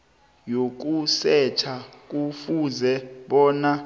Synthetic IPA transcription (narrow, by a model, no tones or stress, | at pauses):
jok̬usɛt͡ʃʰak̬ufuzɛɓɔːna